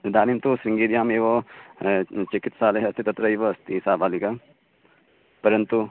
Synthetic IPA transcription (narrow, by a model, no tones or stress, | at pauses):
d̪aːnimt̪usɾiŋɡiːd̪jaːmeːʋɐ | t͡ʃikit̪saːlɐɦɐɐst̪ʰit̪ɐt̪ɾɐiːʋɐɐst̪ʰisaːbʱaːlikɐ | pɐɾɐnt̪u